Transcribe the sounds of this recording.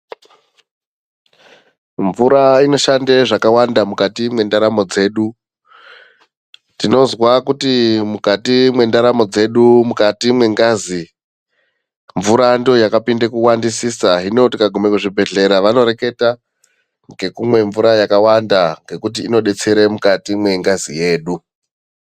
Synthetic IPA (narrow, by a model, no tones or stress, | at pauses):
ɱvuɾaino̞ʃandeʐakawandamukatimwe̞ndaɾamo̞d͡ze̞ːɗu | tino̞zwakutimukatimwe̞ndaɾamo̞d͡ze̞ɗumukatimwe̞ŋɡazi | ɱvuɾando̞jakapinde̞kuwandisisaɦino̞tikaɡʱume̞kuʐibʱe̞ɮe̞ɾaʋano̞ɾe̞ke̞ta | ŋɡe̞kumwe̞ɱvuɾajakawandaŋɡe̞kut̬iːno̞ɗe̞t͡se̞ɾemukatimwe̞ŋɡazije̞ːɗu